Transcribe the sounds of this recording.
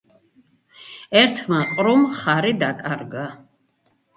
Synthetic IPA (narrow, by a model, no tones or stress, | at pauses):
ɛɾt̪ʰmaqʼɾɔmχaɾid̪akʼaɾɡa